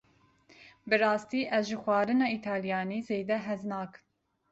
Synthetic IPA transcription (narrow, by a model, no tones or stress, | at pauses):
bɨɾɑːst̪iːʔɛzʒɪxwʷɑːɾɨnɑːit̪ʰɑːljɑːniːzeːd̪ɛɦɛznɑːk